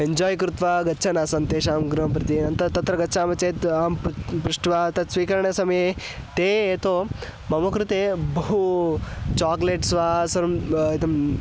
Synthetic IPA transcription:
eɲd͡ʒɔːjkɾut̪ʋaːɡɐtːt͡ʃʰɐnaːsɐnt̪eːʃaːmɡɾɐmp̬ɾɐt̪inɐnt̪ɐt̪ɐt̪ɾɐɡɐtːʃʰaːmɐt͡ʃeːt̪aːmppɾuʂʈʋat̪ɐsʋiːkɐɾɐɳɐsɐme | t̪eːt̪oː | mɐmɐkɾut̪eːbɐɦu | t͡ʃaːkleːʈsʋaːsɐɾɐmit̪ɐm

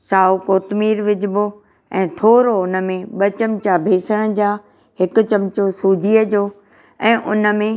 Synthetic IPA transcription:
saːokoːt̪miːɾʋɪd͡ʑbo | ɛ̃ːt̪ʰoːɾoʊnə̆mẽɓɐt͡ɕɐmt͡ɕabʱeːsəɽ̃əd͡ʑaː | hɪkʊ̆t͡ɕɐmt͡ɕosuːd͡ʑʱiəd͡ʑoː | ɛ̃ːʔʊnə̆mẽ

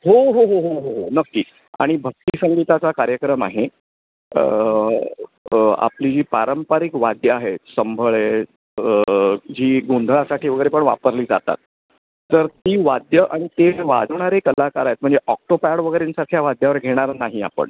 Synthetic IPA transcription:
ɦoɦoɦoɦoɦoɦonəkːiː | a̰ɽ̃ibʱək̚t̪iːsəŋɡit̪at͡sakaɾjəkɾəma̰ɦe | ə | a̰plid͡ʑiːpaɾəmpaɾikʋad̪jəaɦesəmbʱəɭe | d͡ʑiːɡond̪ʱəɭasaʈʰiːʋəɡəjɾepəɳʋa̰pəɾliːd͡za̰t̪a̰t̪̚ː | əɾt̪iːʋad̪jəʔaɽ̃it̪eʋa̰d͡zʋɳ̃aɾekəlakaɾajet̪̚m̤əɳd͡zeʔɔk̚ʈopaɽʋəɡəjɾensaɾkʰjaʋad̪ʱjaʋəɾɡʱeɽ̃aɾnaɦia̰pə̰ɳ

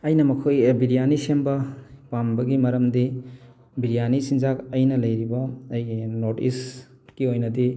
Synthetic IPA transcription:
ɐjnɐmɐkʰojbiɾijanisembɐpambɐɡimɐɾɐmdi | biɾijanisinzakɐjnɐlɐjɾibɐːjnotis | kiojnɐdi

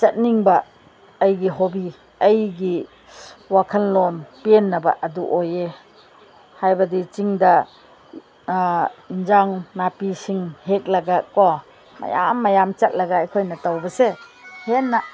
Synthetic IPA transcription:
t͡ʃɐt̚niŋbɐː | jɡiɦobi | ɐjɡi | wakʰɐnlɔnpenːɐbɐʔɐduʔoje | hajbɐdit͡ʃiŋdɐ | ind͡ʒaŋnapisiŋhek̚lɐɡɐkɔ | ma̰ja̰mːɐjamt͡ʃɐt̚lɐɡɐːjkʰojnɐtawbɐsehenːɐ

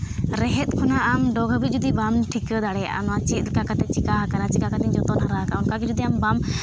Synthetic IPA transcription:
ɾɛɦɛt̪̚kʰɔnaːmɖɔɡʱbit̪̚d͡ʒud̪ibamʈʰikəd̪aɽɛja̰ʔa̰nɔat͡ʃit̪kakat̪ɛt͡ʃikaɦakanat͡ʃikakat̪iɲd͡ʒɔt̪ɔnaɾaɦakaɔnkakid͡ʒud̪iambam

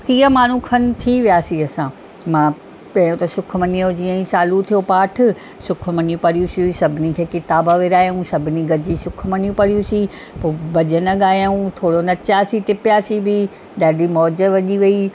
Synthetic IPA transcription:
k̪iːəmaːn̤ũkʰɐn̆t̪ʰiʋijaːsiɐsã | mãː | kɐ̃jũt̪ɐsʊk̆ʰmɐnijod͡ʑiːə̃ĩt͡ɕaːlut̪ʰijopaːʈʰʊ̆ | sʊkʰʊ̆mɐnijũpɐɾijũsijũsɐbʱɪnikʰeːkɪt̪aːbaʋeːɾaːjũsɐbʱɪniɡɐd͡ʑisʊk̆ʰmɐnijũpɐɽijũsi | poːbɐʄənɐɠaːjaũt̪ʰoːɽonɐt͡ɕaːsiʈ̪ɪpɪjaːsibi | ɗaːɖʱimɔːd͡ʑəʋɐʄiʋɐi

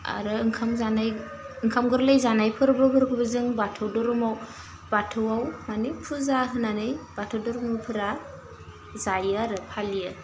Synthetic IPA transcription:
a̰ɾɯɯŋkʰamzanaj | ɯŋkʰamɡɯɾlɯjzanajpʰɯɾbɯpʰɯɾkʰɯbɯzɯŋbatʰɯwdɔɾɔmaw | batʰɯwawmanipʰuzaɦɯnanɯjb̥atʰɯwdɔɾɔmawpʰɯɾa | zajɯaɾɯpʰalijɯ

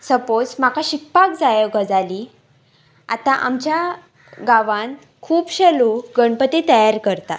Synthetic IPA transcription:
səpot͡smakʰaɕikpakd͡zajəɡəd͡zali | at̪ãʔa̰mt͡ɕja | ɡaʋãn | kʰuːpɕeloɡəɳpət̪it̪əjaɾkəɾt̪a

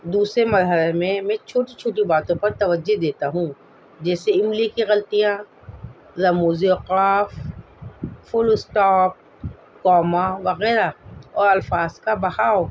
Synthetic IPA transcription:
d̪uːsɾemɐɾɦəlemẽmɛ̃t͡ʃʰoːʈit͡ʃʰoːʈ̬ibaːt̪õpɐɾt̪ɐʋəd͡ʒːod̪eːt̪aɦũ | d͡ʒɛːseɪmlikiɣɐlt̪ijã | ɾɐmuːzioqaːf | fʊlɪsʈɔːp̚ | kɔːmaʋɐɣɛːɾaɔːɾɐlfaːzkabɐɦaːo

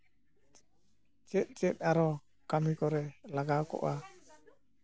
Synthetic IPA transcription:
t͡ʃɛt̪̚ˀt͡ʃɛt̪̚ˀaɾɔ | kamikɔɾɛlaɡakɔ̰ʔa

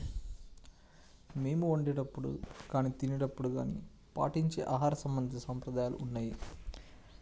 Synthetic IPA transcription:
me̞ːmuoɳɖeːʈɐpːuɽṵkaːniːt̪inɛʈɐpːuɽuɡa̰ːnḭ | pa̰ːʈiɲt͡ʃeːʔaːɦaːɾɐsɐmbɐnd̪ʱiɐsɐmpɾɐd̪aːjaːlṵʔunːaːji

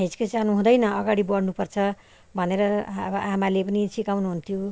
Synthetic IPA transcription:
ɦed͡zi̥kʌd͡zanuɦũd̪ʌjnʌʌɡaɽibʌɽnupʌrt͡sʰʌ | bʱʌneɾʌʌbʌʔamalepʌnit͡sʰikawnuɦunt̪ʰjo

